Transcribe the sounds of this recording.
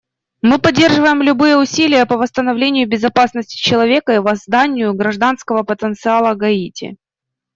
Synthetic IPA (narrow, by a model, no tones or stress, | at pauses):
mɨpɐdʲːe̞rʐɨvəjɪmlʲʊbɨjəʊsʲilʲɪjəpəvəst̪ənɐvlʲenʲɪjʊbʲɪzɐpasnəsʲtʲɪ̥t͡ɕɪlˠɐvʲe̞kəivɐzd̪anʲɪjʊɡɾɐʐd̪anskəvəpət̪ənt̪sɨalˠəɡɐitʲɪ̰